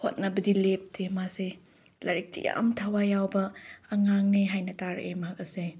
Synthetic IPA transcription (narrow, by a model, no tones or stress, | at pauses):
hot̚nɐbɐdilep̚tʰemase | lɐɾik̚tʰḭja̰mtʰɐwajawbɐːŋaŋneɦajnɐtaɾ̰ʔemɐɦɐk̚ɐse